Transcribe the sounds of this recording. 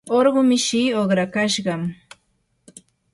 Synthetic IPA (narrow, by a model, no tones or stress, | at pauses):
oɾɢʊmɪʃiːoχɾakaʃɢɑm